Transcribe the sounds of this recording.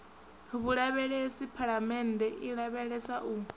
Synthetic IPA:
βuɺaβɛɺɛesipʰaɺamɛndʱɛʔiɺaβɛɺɛsaʔu

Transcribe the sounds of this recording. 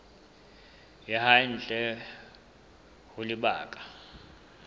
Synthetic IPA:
jɛhan̩t͡ɬʼɛ | hʊlɪɓa̰ːkʼḁ

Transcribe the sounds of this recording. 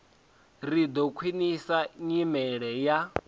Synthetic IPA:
rid̪ɔkʰwinisaɲimɛɺɛja

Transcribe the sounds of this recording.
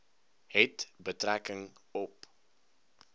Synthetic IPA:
ɦɛtbətrækəŋɔp

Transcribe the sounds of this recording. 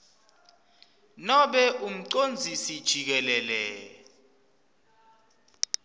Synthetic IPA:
nɔɓɛʔum̩ǀond͡zʱisid̥ʒ̥ʱik̬ɛlɛːlɛ

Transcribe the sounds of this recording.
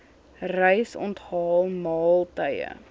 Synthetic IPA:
rəjsɔ̰ntɦɑːlˠmɑːlˠtəjə̰

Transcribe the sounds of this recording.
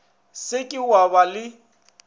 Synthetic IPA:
sɪkʼɪwabalɪ

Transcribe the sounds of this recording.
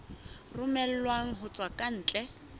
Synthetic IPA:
rʊmɛl̩lwaŋ̩ɦʊt͡sʼwakʼan̩ːt͡ɬʼɛ

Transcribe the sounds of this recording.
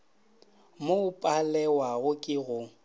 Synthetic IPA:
mopʼalɛwaɣʊkʼɪɣʊ

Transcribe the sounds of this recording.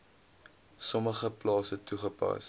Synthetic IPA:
sɔməχəplɑːsətːuχəpɐ̰s

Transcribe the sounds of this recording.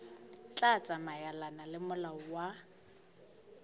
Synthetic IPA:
t͡ɬʼat͡sʼamajalanalɪmʊlaɔwa

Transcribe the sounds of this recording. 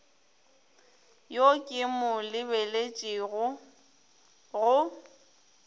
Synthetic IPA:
jokʼɪmʊlɪbelet͡ʃʼiɣʊ | ɣʊ

